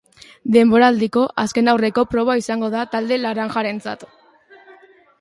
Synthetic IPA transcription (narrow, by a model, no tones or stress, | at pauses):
d̪e̞mbo̞ɾaːld̪iko̞ʔaske̞nawre̞ko̞pɾo̞β̞aisaŋɡo̞ðat̪ald̪e̞laɾaŋʝaɾe̞nt͡sa̰t̪